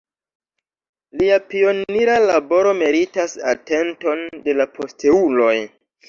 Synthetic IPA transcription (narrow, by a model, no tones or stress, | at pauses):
liapio̞niɾalabo̞ɾo̞me̞ɾitasa̰te̞nto̞nde̞lapʰo̞ste̞ulo̞j